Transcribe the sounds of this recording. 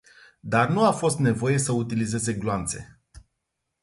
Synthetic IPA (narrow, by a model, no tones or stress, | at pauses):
d̪arnuafo̞st̪ne̞vo̞je̞səut̪ilize̞ze̞ɡloant̪se̞̰